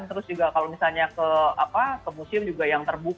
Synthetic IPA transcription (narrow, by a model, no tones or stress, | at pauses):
nt̪əɾʊsd͡ʒuɡakalomisalɲakəapakəmusɪmd͡ʒuɡajaŋt̪ərbu